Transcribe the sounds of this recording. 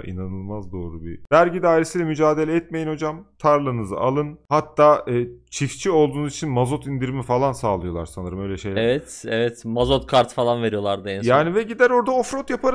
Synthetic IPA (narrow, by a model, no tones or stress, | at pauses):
ʔḭnanɯlˠmazd̪o̞ːɾubivæɾɟid̪aːjiɾisilʲɛmyd͡ʒaːd̪e̞lʲɛɛt̪me̞jino̞d͡ʒamt̪ʰaɾlˠɯnɯzɯ̰ʔalˠɯnhat̪ʰːaːʔɯːt͡ʃʰift͡ʃʰio̞lˠd̪uːnuzit͡ʃʰinmazo̞t̪ind̪iɾimifalˠansaːlˠɯjo̞lˠa̰ɾsanɯɾɯmø̞jlʲɛʃejlʲɛvɛt̪ɛvɛt̪mazot̪̚kʰaɾt̪falˠanve̞ɾijo̞lˠaɾd̪ainsjaːnivɛɟid̪æɾo̞ɾd̪aofɾot̪japʰaɾ